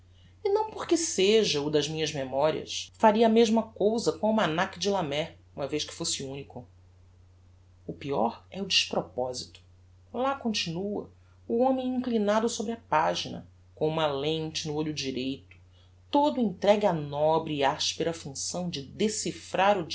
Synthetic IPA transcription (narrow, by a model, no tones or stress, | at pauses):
inɐ̃w̃poɾkɪseʒɐud̪ɐzmĩɲɐzmemɔɾḭɐ̰sfaɾiɐmeʒmɐkowzɐkõũmanakɪd͡ʒɪlamɛ | ũmɐvejʃkɪ̥fosɪũnikʊ | ʊpiɔ̰ɾɛʊd͡ʒiʃpɾɔpɔzit̪ʊ̥ | lakõnt͡ʃinuɐ̰ | uõmẽj̃ĩŋklinad̪ʊsobɾɪɐpaʒinɐ̰ | kõũmɐlẽt͡ʃɪnʊoʎʊd͡ʒiɾejt̪ʊ̥ | t̪od̪ʊẽt̪ɾɛɡɪɐnɔbɾɪːaʃpeɾɐfũsɐ̃w̃d͡ʒɪd̪esifɾaɾʊ